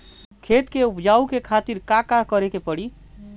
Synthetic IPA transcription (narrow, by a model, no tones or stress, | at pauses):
kʰet̪keupd͡ʒaukekʰat̪iɾkakakəɾekepəɽi